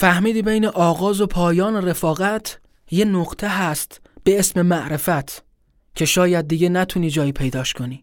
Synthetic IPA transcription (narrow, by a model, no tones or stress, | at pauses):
fæhmiːd̪iːbe̞jne̞ʔɒːɣɒːzo̞pʰɒːjɒːnere̞fɒːɣæt̪ʰ | je̞noɡt̪ʰe̞ɦæst̪ | b̥e̞esme̞mæʔɾe̞fæt̪ʰ | cʰe̞ʃɒːjæd̪̚ːiɟe̞næt̪ʰuniːd͡ʒɒːjiːpʰe̞jd̪ɒːʃkʰo̞niː